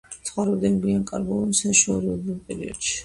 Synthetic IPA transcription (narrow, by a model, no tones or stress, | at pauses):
sʰχwaɾɛbd̪ɛnɡiankʼaɾɡɔlˠɔnsaʃuɔɾiɔb̪ulpʼɛɾḭɔd̪̥ʃi̥